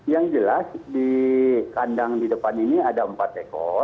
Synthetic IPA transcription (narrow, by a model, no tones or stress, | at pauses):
jaŋd͡ʒəlasdikandaŋdidəpaniniadaəmpat̪ekɔ̰